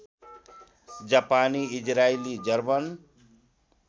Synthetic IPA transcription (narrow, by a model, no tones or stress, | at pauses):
d͡ʒapaniid͡ʒɾailid͡ʒʌɾbʌn